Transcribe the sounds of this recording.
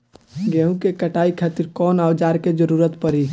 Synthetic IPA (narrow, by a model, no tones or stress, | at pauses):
ɡeɦũkekəʈaikʰat̪iɾkɔnawd͡ʒaɾked͡ʒəɾuɾət̪pəɾi